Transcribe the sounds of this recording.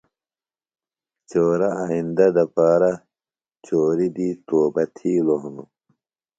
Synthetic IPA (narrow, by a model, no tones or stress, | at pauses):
t͡ɕoːɾaaind̪ɐd̪ɐpaːɾa | t͡ɕoːɾid̪iːt̪oːbɐt̪ʰiːloɦnu